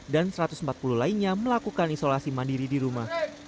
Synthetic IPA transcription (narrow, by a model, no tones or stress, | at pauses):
dansəɾat̪ʊ̥səm̩pat̪̚pululainɲaməlakukanisolasimandiɾidiɾumah